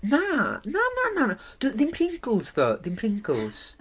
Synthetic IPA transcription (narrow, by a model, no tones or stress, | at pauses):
nanananand̥uðɪnpʰrɪŋkəl̩ˠzðɔðɪnpʰrɪŋkʰəlˠz̥